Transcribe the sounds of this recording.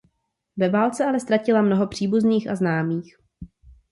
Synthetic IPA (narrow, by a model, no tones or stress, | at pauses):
vɛvaːlt͡sɛʔalɛst̪ɾacɪlamno̞ɦo̞pr̝̥iːbuzniːxʔa̰znaːmiːx